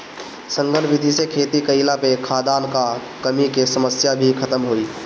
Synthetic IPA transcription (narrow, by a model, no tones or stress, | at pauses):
sə̃ŋɡənbid̪ʱisekʰeːt̪ikəɪlapekʰaːd̪aːnka | kəmikesəməsjabʱikʰət̪əmɦoːiː